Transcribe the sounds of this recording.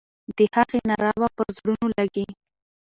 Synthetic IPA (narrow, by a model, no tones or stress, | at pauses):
d̪̥əhaɣenaɾɑwapəɾzɽunolaɡi